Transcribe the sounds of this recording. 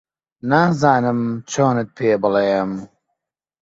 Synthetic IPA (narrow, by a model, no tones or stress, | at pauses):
naːzaːnɨmt͡ʃʰoːnɨt̪̚pʰeːbɨlɐjɐm